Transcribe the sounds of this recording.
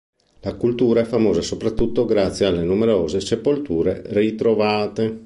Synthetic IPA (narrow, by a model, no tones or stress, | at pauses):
lakult̪uːɾaɛfːamoːzasopɾat̪ːut̪ːoɡɾat̪sjealːenumeɾoːzesepolt̪uːɾerit̪ɾovaːt̪e